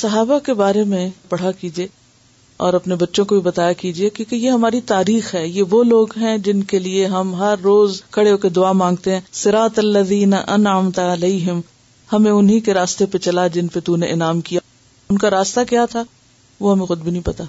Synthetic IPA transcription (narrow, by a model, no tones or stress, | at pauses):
sɐɦaːbakebaːɾemẽpɐɽ̤akiːd͡ʒieː | ɔ̰ːɾɐpnebɐtːʃõkobʱibɐt̪aːjakiːd͡ʒiekjõːkejeɦɐmaːɾit̪aːɾiːxɦɛːjeʋoloːɡɦɛ̃d͡ʒɪnkelieɦɐmɦɐɾːoːzkʰɐɽeɦoːked̪ʊaːmãːŋɡ̚t̪eɦɛ̃ːsɪɾaːt̪ɐlːɐðiːnɐʔɐnʕəmt̪ɐleːɦɪm | hɐmẽʊnɦikeɾaːst̪epet͡ʃɐlad͡ʒɪnpet̪uneʔɪnaːmkija | ʊnkaɾaːst̪akjat̪ʰa | ʋoɦɐmẽxʊd̪̚bʱinɐɦĩpɐt̪a